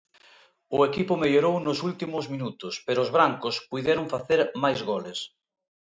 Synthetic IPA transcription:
ʊekipʊmeʎoɾownʊsult̪imʊzmĩnut̪ʊspeɾʊːzβɾaŋkʊspujðjɛɾoŋfaθeɾmajzɣoles

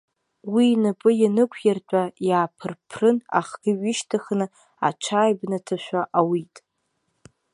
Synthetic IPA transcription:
winɨpʼɨjanɨkʷʰjart͡pʷʼajaːpʰɨrpʰrɨna̰χɡ̥ʲɪɥiʃtʰaχnɨ | a̰t͡ʃʷʰaːjbnatʰaʃᶣʷaʔawitʼ

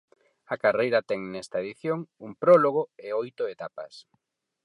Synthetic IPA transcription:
ɐkarejɾɐt̪ɛŋnɛst̪ɐeðiθjoŋumpɾɔloɣ̞oeojt̪ʊet̪apɐ̰s

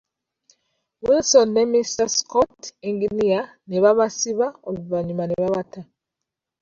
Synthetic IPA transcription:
winsonːemistaskɔtiŋɡinia | neβaβasiβaoβuvaɲumaneβaβata

